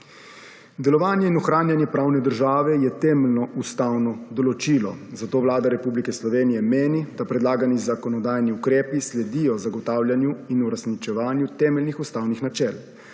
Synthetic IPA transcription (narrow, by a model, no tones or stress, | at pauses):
d̪ɛlɔʋaːnjɛinɔxɾaːnjanjɛpɾaːwnɛd̪əɾʒaːʋɛjɛt̪ɛːmɛlnɔʔust̪awnɔd̪ɔlɔt͡ʃiːlɔ̰zat̪oːʋlaːd̪aɾɛpublikɛslɔʋeːnijɛmeːnid̪apɾɛd̪laːɡanizakɔnɔd̪aːjniukɾeːpislɛd̪ijɔzaɡɔt̪aːwljanjuinuɾasnit͡ʃɛʋaːnjut̪ɛːmɛlnixust̪awnixnat͡ʃɛl